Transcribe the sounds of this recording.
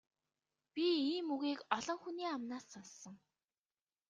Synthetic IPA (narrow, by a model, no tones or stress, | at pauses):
pʲiiːmuɣiːkɔɮɞ̆ŋxuniːamnaːsːɔnsɞ̆ŋ